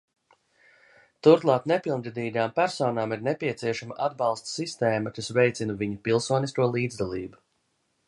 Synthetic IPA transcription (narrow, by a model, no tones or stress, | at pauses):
t̪uɾklˠɑːt̪nepilˠnɾid̪iːɡaːmpæɾsɔːnaːmiɾnepʲiɛsiɛʃamaʔad̪bɑlˠst̪sist̪eːmɐkasvɛjt̪sinuviɲupilˠsuɔniskuɔlˠiːd̪zd̪alˠiːbu